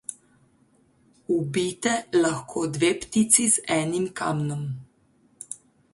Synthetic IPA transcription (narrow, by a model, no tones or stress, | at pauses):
ubiːt̪ɛlɐxkʰoːd̪ʋeːpt̪it̪sizɛːnimka̰mnɔm